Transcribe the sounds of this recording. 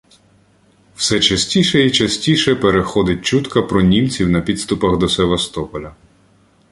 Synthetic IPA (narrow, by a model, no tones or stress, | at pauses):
w̥sɛt͡ʃɐsʲtʲiʃɛit͡ʃɐsʲtʲiʃɛpeɾexɔd̪ɪt̚ʲt͡ʃut̪kɐpɾɔnʲimt͡sʲiwnɐpʲid̪st̪ʊpɐxd̪ɔseʋɐst̪ɔpɔlʲɐ